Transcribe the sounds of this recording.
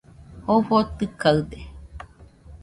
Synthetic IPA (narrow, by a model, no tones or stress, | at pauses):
hoɸot̪ɨkaɨd̪e